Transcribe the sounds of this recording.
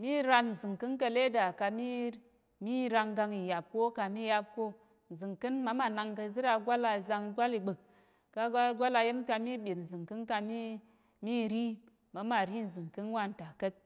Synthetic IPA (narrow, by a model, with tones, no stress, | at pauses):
mi˦ɾa˧nn̩˨zɨ˨ŋkɨ˦nkɐ˧le˦da˨ka˧mi˦ | mi˦ɾa˧ŋɡa˧ŋi˨ja˨p̚ko˦ka˧mi˦ja˦p̚ko˦ | n̩˨zɨ˨ŋkɨ˦nma˦ma˨na˧ŋkɐ˧zɨ˦ɾa˧ɡʷa˦la˧˨za˧ŋi˧ɡʷa˦li˨ɓɨ˨k̚ː | a˧ɡa˦lɡʷa˦la˧ji˦mka˧mi˦ɓʲe˨tn̩˨zɨ˨ŋkɨ˦nka˧mi˦ | mi˦ɾi˦ | ma˨˦ma˨ɾi˦n̩˨zɨ˨ŋkɨ˦n˦wa˦˨n̩˨ta˨kɐ˦t̚